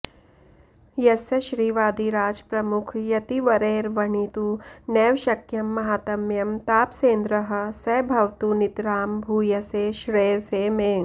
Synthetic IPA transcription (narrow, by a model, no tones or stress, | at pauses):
jɐsɐʃɾiːʋaːd̪iɾaːd͡ʒpɾɐmʊkʰjɐt̪iʋɐɾeːɾʋɐɳit̪unɛːʋʃɐkjɐmːɐɦaːt̪ɐmjɐmt̪aːpseːnd̪ɾɐɦɐ̆sɐːbʱɐʋt̪unit̪ɾaːmbʱuːjɐseːʃɾeːseːmeː